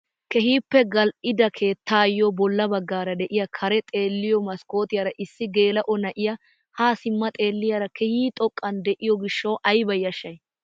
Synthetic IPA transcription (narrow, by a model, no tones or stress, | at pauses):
kɛhiːpːɛɡɐlʔɪd̪ɐkʰe̞ːt̪ːaːjːɔbɔlːɐbɐɡːaːɾɐd̪ɛʔɪjɐkʰɐɾɛt̪ʼe̞ːlːɪjɔmɐsko̞ːt̪ɪjɐɾɐʔɪsːɪɡe̞ːlɐʔɔnɐʔɪjɐ | haːsɪmːɐt̪ʼe̞ːlːɪjɐɾɐkʰɛhiːt̪ʼɔkʼːɐnd̪ɛʔɪjɔɡɪʃːɐwʔɐjbɐjːɐʃːɐj